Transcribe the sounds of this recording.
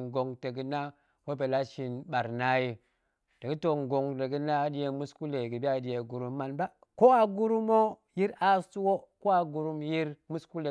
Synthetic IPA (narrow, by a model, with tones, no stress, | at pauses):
ŋɡo˨ŋte˨ɡi˨˦na˦ | wo˦be˨la˦ʃi˨nɓa˨ɾna˦ji˦ | d̥e˨ɡi˦to˨ŋɡo˨ŋde˨ɡi˦na˦di˦je˨mu˦sku˦le˨ɡi˨bi˦a˦di˦je˨ɡu˨ɾu˦mːa˨nba˦ | ko˦a˨ɡu˦ɾu˦mo˦ | ji˦ɾa˦stu˦wo˦ko˦a˨ɡu˨ɾu˦mji˦ɾmu˦sku˦le˨